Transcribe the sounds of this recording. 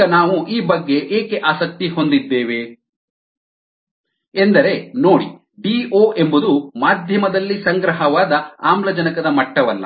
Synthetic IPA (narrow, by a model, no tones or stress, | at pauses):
ɐnaːʋuʔiːbɐɡːe̞ʔeːkeʔaːsɐk̚t̪iho̞nd̪id̪ːeːʋe̞ | end̪ɐɾe̞no̞ːɽḭ | ɖioːʔe̞mbud̪umaːd̪ʱjɐmɐd̪ɐlːisɐŋɡɾɐɦɐʋaːd̪ɐaːmlɐd͡ʒɐnɐkɐd̪ɐmɐʈːɐʋɐlːɐ̰